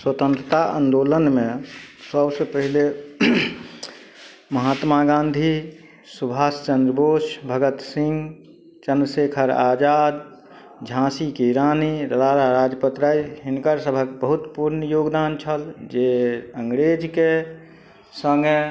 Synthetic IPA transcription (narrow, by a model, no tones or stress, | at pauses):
swət̪ə̃nt̪ɾət̪aʔə̰nd̪olənmẽsəbsəpəɦile | məɦat̪maɡãnd̪ʱi | subʱaːst͡ʃənd̪ɾəbosbʱəɡət̪sĩŋɡ | t͡ʃənɾəsekʰəɾad͡ʒad̪ | d͡ʒʱãsikiɾaːniɾəd̪aɾaɾad͡ʒpət̪ɾaiɦɪnkəɾsəbʱəkbəɦut̪puɾnjoːɡd̪ant͡ʃʰəld͡ʒeəŋɡɾed͡ʒke | səŋɡe